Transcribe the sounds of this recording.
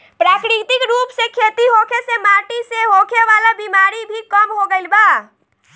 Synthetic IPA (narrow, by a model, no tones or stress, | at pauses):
pɾaːkɾɪt̪ɪkɾuːpsekʰeːt̪iɦoːkʰesemaːʈiseɦoːkʰeʋaːlabiːmaːɾibʱikəmɦoɡəɪlbaː